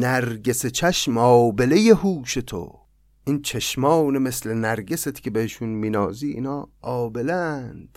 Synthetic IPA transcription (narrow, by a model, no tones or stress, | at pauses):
næɾɟe̞set͡ʃʰæʃmɒːbelejeɦuːʃet̪ʰo̰ | int͡ʃʰeʃmɒːwneme̞slenæɾɟeset̪cʰe̞beheʃunmiːnɒːziːʔḭnɒːʔɒːbelænd̪̥